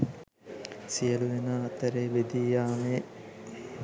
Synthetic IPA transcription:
sijəluʋenaːt̪əɾeːbed̪ijaːme

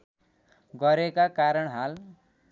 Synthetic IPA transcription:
ɡʌɾekakaɾʌɳɦal

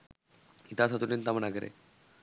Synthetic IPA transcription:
it̪asat̪uʈint̪amənaɡəɾḛ

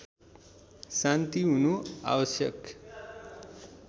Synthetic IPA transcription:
sant̪iɦunoa̰bʌsjʌk

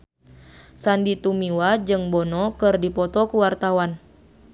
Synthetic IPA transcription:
sandit̪umiwad͡ʒɨŋbɔnɔkɨrdipɔt̪ɔkuwart̪awan

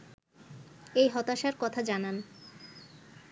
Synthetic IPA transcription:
ejɦɔt̪aʃaɾkɔt̪ʰad͡ʑanan

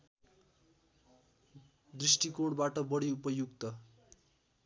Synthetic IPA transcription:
d̪risʈikoɽbaʈʌbʌɽiupʌjuɡ̚t̪ʌ

